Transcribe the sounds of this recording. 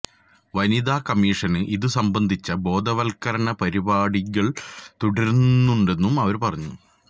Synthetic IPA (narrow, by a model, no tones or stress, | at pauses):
ʋɐniðaːkɐmiːʂɐnɨʔiðɨsɐmbɐnd̪ʱit͡ɕːɐbo̞ːd̪ʱɐʋɐlkɐɾɐɳɐpɐɾibaːɽiɣɐɭt̪uɽɐɾunːuɳɖe̞nːumɐʋɐɾpɐrɐɲːu